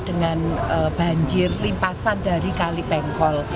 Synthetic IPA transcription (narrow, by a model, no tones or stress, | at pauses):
d̥əŋanəb̥a̤ɲd͡ʒɪrlimpasanda̤ɾikalipɛŋkɔl